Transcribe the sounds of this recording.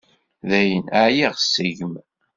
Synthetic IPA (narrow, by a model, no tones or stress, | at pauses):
ðæjənaʕjiʁsːəʝəm